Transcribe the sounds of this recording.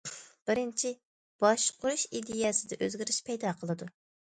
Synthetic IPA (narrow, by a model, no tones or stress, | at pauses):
b̥ɪɾɪnt͡ʃʰi | b̥ɑʃqʰʊɾuʃid̪ɪjɛsɪd̪ɛʔøzɡʲɪɾɪʃpʰɛjd̪ɑqʰəlˠɨd̪u